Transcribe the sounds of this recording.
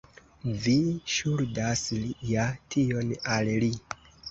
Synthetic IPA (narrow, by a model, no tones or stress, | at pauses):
viʃuɾdaslijatʰio̞nalli